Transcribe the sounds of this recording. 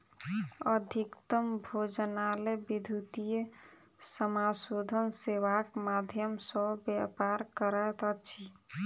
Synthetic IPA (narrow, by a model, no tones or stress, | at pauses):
əd̪ʱikt̪əmbʱod͡ʒənalebid̪ʱut̪ije | səmasod̪ʱənseʋakmad̪ʱjəmsɔbjapaɾkəɾaet̪ət͡ʃʰi